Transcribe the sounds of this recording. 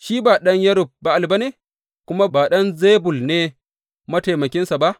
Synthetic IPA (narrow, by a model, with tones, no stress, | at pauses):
ʃiː˦baː˨ɗɐ˦ɲjɐ˦ɾʊ˨b̚ba˨ʔa˨lba˦neː˦˨ | kʷʊ˦ma˦baː˨ɗɐ˦nzeː˦bʊ˨lneː˦ | mɐ˦ta˨mɐ˨kʲɪ˦nsa˨ba˦ʔ